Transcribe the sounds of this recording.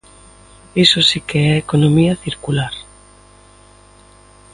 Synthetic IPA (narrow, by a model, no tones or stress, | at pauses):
isosikeɛekonomiɐθiɾkulaɾ